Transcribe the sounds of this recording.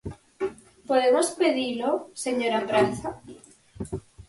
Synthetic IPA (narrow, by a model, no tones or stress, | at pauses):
poðemospeðiloseɲoɾambɾanθa